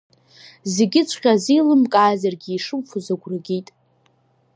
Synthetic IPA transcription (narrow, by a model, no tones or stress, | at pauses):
zeɡʲɪt͡ʃʷʰʼqʲʼazilɨmkʼaːzarɡʲɪiʂɨmfʰuzaɡʷrɨɡʲijtʼ